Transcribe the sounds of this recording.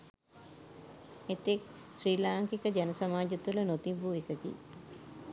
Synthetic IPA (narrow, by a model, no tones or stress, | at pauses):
et̪ek̚ | sriːlaːŋkikəd͡ʒænəsamaːd͡ʒət̪ulənot̪iʋuekəɡ̪ḭ